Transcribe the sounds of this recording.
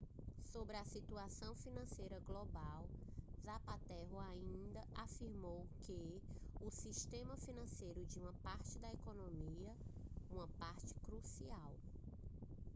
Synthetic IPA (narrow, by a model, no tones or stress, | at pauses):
sobɾɪɐsit̪uasɐ̃w̃finɐ̃sejɾɐɡlɔbawzapat̪ɛɦʊaĩĩnd̪ɐafiɾmowkɪ | ʊsiʃt̪ẽmɐfinɐ̃sejɾʊd͡ʒɪũmɐpaɾt͡ʃɪd̪ɐɛkonõmiɐũmɐpaɾt͡ʃɪ̥kɾusiaw